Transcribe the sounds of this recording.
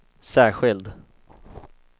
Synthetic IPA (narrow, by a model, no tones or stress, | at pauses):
sæːɧɪld̪